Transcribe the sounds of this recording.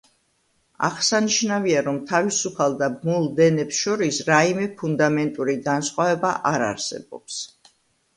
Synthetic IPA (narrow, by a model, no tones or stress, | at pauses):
a̰ʁsaniʃnaviaɾɔmt̪ʰavisupʰalˠd̪abmulˠd̪ɛnɛpsʃɔɾisɾaimɛpʰund̪amɛnt̪ʼuɾiɡansχʼwavɛbaʔaɾa̰ɾsɛ̰bɔ̰ps